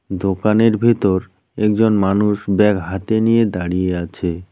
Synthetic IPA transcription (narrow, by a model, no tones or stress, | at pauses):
d̪okaneɾbʱit̪oɾ | ɛk̚d͡ʑonmanuʃbɛkɦat̪enijed̪aɽieat͡ɕʰe